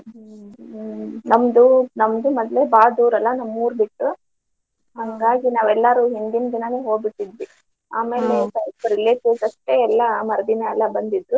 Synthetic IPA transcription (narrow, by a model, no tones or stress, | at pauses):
nɐmd̪unɐmd̪umɐd̪lebaːd̪uːɾɐlːɐnɐmːuːɾbiʈːu | ɦɐŋɡaːɡinaːʋɛlːɐɾuːɦind̪ind̪inɐneɦoːɡbiʈːid̪ʋi | aːme̞ːle̞sɐjpɾileːʈusɐʂʈeɛlːɐmɐɾɐd̪inɐɛlːɐbɐnd̪id̪ɾu